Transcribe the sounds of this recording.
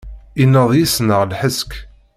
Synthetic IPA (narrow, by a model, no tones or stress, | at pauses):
inːəðˤjisnəʁlħəsk